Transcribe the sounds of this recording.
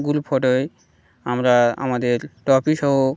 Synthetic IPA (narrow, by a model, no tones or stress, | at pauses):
ɡulpʰɔʈoe | amɾaa̰mad̪eɾʈɔpiʃɔɦo